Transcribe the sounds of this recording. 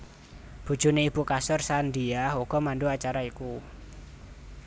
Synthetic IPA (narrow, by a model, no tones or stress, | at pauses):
b̥ṳ̥ʒ̥ṳneib̥ukasʊrsand̪iahuɡ̥ɔ̤manɖuat͡ʃaɾaiku